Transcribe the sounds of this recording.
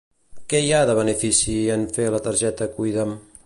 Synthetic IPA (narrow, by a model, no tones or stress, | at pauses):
kɛjaðəβənəfisiənfelət̪əɾʒɛt̪əkujðəm